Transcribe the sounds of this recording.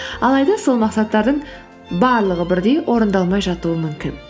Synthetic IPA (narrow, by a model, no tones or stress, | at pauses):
ɑlˠɑjd̪ɑso̞lˠmɑqsɑt̪ːɑɾd̪əɴ | bɑɾlˠəʁəbɪɾd̪e̞jʔo̞ɾənd̪ɑlˠmɑjʒɑt̪uəmʏmkʲɪn